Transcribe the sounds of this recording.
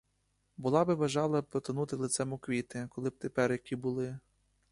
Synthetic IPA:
bʊlˠɑbɪʋɐʒɑlˠɐpɾɔt̪ɐnut̪ɪlˠɪt̪sɛmʊkʋʲit̪ɪkɔlˠɪb̚t̪epɛrjɐkʲibʊlˠɪ

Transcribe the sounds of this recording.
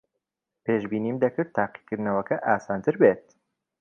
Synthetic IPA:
peːʒbiːniːmd̪ɐkɨɾt̪ʰːaːqi̥kɨɾd̪nɐwɐkɐʔaːsaːnt̪ʰɨɾbeːt̪̚

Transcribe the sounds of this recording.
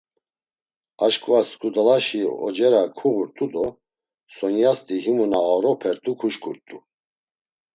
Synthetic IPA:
aʃkʼvaskʼud̪alaʃiɔ̰d͡ʒɛɾakʰuɣuɾt̪ʼud̪ɔ | sɔnjast̪ʼiɦimunaːɾɔpʰɛɾt̪ʼukʰuʃkʰʼuɾt̪ʼu

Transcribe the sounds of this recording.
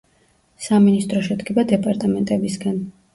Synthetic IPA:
saminist̪ʼɾɔʃɛd̪ɡɛbad̪ɛpʼaɾt̪ʼamɛnt̪ʼɛbisɡan

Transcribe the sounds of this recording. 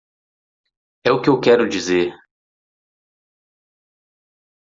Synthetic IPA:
ɛʊkɪewkɛɾʊd͡ʒizeɾ

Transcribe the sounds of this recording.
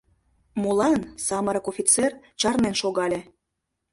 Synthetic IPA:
molɑnsɑməɾɤkofʲit͡ser | t͡ɕɑrnenʃoɣɑlʲe

